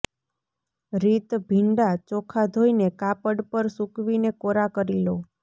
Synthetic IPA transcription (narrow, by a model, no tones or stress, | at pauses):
ɾit̪bʱiɳɖat͡ʃɔkʰad̪ʱoinekapəɽpəɾsũkʋinekoɾakəɾilo